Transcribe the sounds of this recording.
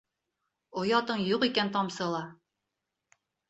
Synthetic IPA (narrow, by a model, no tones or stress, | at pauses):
ŏjɑt̪ɤɴjuqikænt̪ɑmsɤ̆lˠɑ